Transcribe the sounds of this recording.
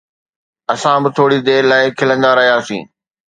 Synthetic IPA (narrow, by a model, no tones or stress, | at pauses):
ɐsãbɪt̪ʰoːɽid̪eːɾlaːɪkʰɪlə̃nd̪aɾɐɦijaːsḭ̃ː